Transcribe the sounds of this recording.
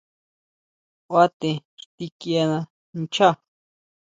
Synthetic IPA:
wa˦t̪e˨ɾt̪i˦kja˧na˧ | n̩˦t͡ʃʰa˦

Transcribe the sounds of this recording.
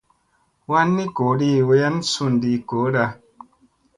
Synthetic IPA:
wa˦nːi˦ko˨˦di˧˨we˧˦ja˦n˦su˧˨n˨di˧ko˨˦da˧

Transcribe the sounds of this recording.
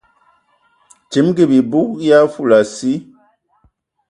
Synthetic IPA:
ti˨˦mɡi˦˨bi˨bu˦k̚ja˦fu˦˨la˨si˦

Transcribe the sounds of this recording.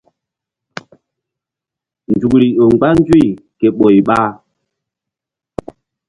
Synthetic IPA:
n˨d͡ʒu˨kli˨o˨ŋ͡mɡ͡ba˦n˦d͡ʒwi˦˨kɛ˨ɓo˨jɓa˦

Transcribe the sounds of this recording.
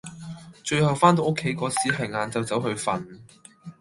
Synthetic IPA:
t͡ʃɵ˧ɥhɐ˨wfaː˥nt̪o˨˧wʔʊ˥kʰːe˨˥jkɔː˨˥siː˨˥ɦɐ˨˩jŋaː˨˧nt͡sɐ˨˧wt͡sɐ˨˥wɦɵ˧ɥfɐ̰˨n

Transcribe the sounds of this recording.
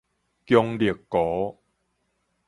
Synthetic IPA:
kjɔ˧ŋli˨˩əkːɔ˨˦

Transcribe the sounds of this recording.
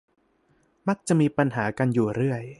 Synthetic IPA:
ma˦˥˩k̚t͡ɕa˨˩ʔmiː˧pa˧nɦaː˩˦ka˧njuː˨˩ɾɯ˥˩əj

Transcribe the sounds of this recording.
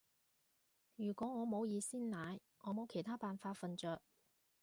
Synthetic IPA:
jyː˨˩kʷɔː˨˥ŋɔː˨˧mo˨˧wjiː˨˧siː˥nlaː˨˧j | ŋɔː˨˧mo˨˧wkʰe˨˩jt̪ʰaː˥paː˨nfaː˧tfɐ˨nt͡ʃœː˧k̚

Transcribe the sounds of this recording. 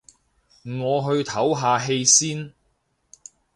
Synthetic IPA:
m̩˨˩ŋɔː˨˧ɦɵ˧ɥt̪ʰɐ˨˥wɦaː˨˧ɦe˧jsiː˥n

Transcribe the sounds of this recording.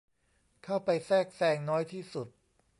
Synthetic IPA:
kʰa˥˩wpa˧jsɛː˥˩k̚sɛː˧ŋnɔː˦˥jt̪ʰiː˥˩su˨˩t̪̚

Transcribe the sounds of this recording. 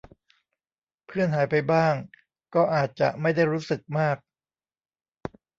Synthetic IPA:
pʰɯ˥˩ənɦaː˩˦jpa˧jbaː˥˩ŋ | kɔː˥˩ʔaː˨˩t̪̚t͡ɕa̰˨˩ʔma˥˩jda˥˩jɾuː˦˥sɯ˨˩k̚maː˥˩k̚

